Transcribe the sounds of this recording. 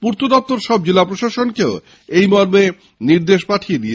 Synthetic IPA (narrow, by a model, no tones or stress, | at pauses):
puɾt̪ʰod̪ɔp̚t̪oɾʃɔb̚d͡ʑilapɾoʃaʃonkeo | ejmɔɾme | niɾd̪eʃpaʈʰied̪ie